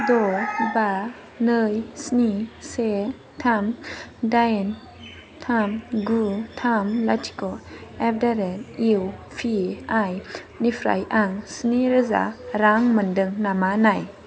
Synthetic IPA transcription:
dɔba | nəjsnise | tʰamdajn | tʰamɡutʰamlatʰi̥kɔɛbdaɾɛniwfʰiaj | nifʰɾa̰jʔaŋsniɾɯza̰ɾaŋməndɯŋnamanaj

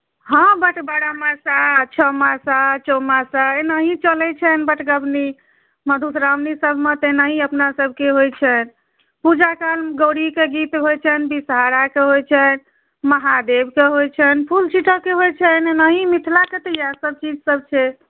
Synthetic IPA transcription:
ɦə̃bəʈbaɽamasat͡ʃʰəmasat͡ʃɔmasaenəɦĩt͡ʃəlɛt͡ʃʰɛnbəʈɡəbni | məd̪ʱut̪ɾamnisəbʱmet̪enaɦĩəpnasəbʱkeɦojt͡ʃʰɛn | pud͡ʒakalɡəɽikeɡit̪ɦojt͡ʃʰɛnbisɦaɾakeɦojt͡ʃʰɛn | məɦad̪ebkeɦojt͡ʃʰɛnpʰult͡ʃiʈʰəkeɦojt͡ʃʰɛnenəɦĩmit̪ʰlaket̪əjasəb̚t͡ʃid͡ʒsəb̚t͡ʃʰɛ

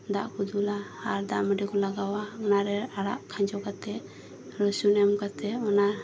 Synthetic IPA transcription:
d̪aʔkud̪ulahaɾd̪aʔmɛɖikɔlaɡawaɔnaɾɛaɽa̰ʔkʰaɲd͡ʒɔkat̪ɛ | ɾɔsunɛmkat̪ɛɔna

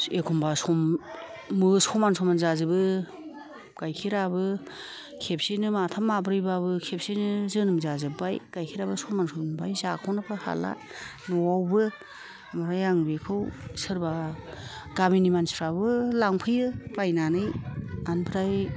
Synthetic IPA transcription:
ekʰumbasɔmː | ɯsɔmansʰɔmanzazɯbɯ | ɡ̥ajkʰiɾabɯ | kʰep̚senɯmatʰamːabɾɯjbaβɯkʰep̚senɯzɯnɯmzazɯbajɡ̥ajkʰiɾabɯsɔmansɔmnbajzakʰɔnapʰɯha̰la̰ | nɔwawbɯ | amaɾajaŋbekʰɯwsɯɾba | ɡ̥aminimansi̥pʰɾabɯlaŋpʰɯjɯpajnanɯjanpʰɯɾaj

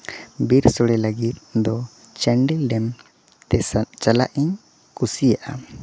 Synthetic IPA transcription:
biɾsɔɽɛlaɡit̪̚d̪ɔ | t͡ʃɛɳɖilɖɛm | ɛt͡ʃala̰ʔiɲ | kusijaʔa

